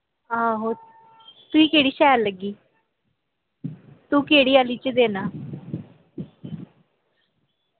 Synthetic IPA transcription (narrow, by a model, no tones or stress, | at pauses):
aːɦoː | t̪uiːkeːɽiːʃɛːlləɡːiː | t̪ũːkeːɽiːaːliːt͡ʃd̪eːnaː